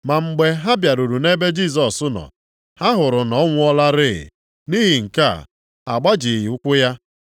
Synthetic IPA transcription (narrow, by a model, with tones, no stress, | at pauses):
ma˨ŋ͡m̩˨ɡ͡be˦ɦa˦bja˨ɾu˨ɾu˨ne˦be˦d͡ʒi˦˨s̬ɔ˨sʊ˦nɔ̰˨ | ha˦ɦʊ˨ɾʊ˨nɔ˦ŋʷʊ˦ɔ˦la˦ɾɪ˦ɪ̰˨ | ni˦ɦi˨ŋ̩˨ka̰˦˨ | a̰˨ɡ͡ba˦d͡ʒi˨ji˨ʊ˦kʷʊ˦ja˦